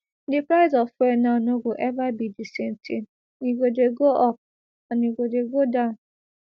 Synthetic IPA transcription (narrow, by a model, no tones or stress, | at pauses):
dɪpɾaɪzɔfenanoɡoʔɛvabidisen̩tʰḭn | niɡodeɡoʔɔp̚ | aniɡodeɡodaʊn